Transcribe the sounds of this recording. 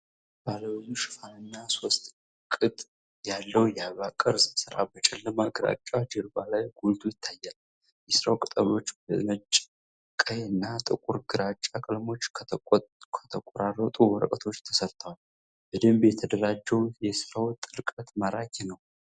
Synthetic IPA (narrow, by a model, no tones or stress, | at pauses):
b̥aləwjuʃɪfanəɲːaso̞st̪ʼ | kʼɨt̪ʼ | jalːəwjɛaβakʼɨɾzɨsɨɾa̰bət͡ʃʼɛlːəmaɡɨɾa̰t͡ʃʼːad͡ʒɨɾbalajɡult̪ʰʼujɪt̪ʰːajːal | jɛsɨɾawkʼɨt̪ʼəlo̞t͡ʃːbə̰mət͡ʃʼː | kʼəjɨnːat̪ʼɨkʼuɾɡɨɾat͡ʃʼakʼɨlmo̞t͡ʃːʰkʰət̪ʰəkʼoɾarːət̪ʼuwɔɾəkʼət̪ʰo̞t͡ʃːt̪ʰə̥səɾt̪ʰəwal | bəd̪ɨmbjɛt̪ʰəd̪əɾad͡ʒːɛwjɛsɨɾawt̪ʼɨlkʼət̪məɾakʰinəw